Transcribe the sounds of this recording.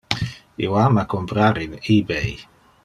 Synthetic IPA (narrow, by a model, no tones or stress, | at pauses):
ḭwamakompɾaɾinibej